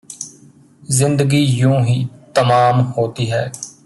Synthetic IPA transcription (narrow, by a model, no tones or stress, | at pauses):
zɪ̃nd̪əɡiːjũːɦiːt̪əmaːmhoːt̪iːɦɛː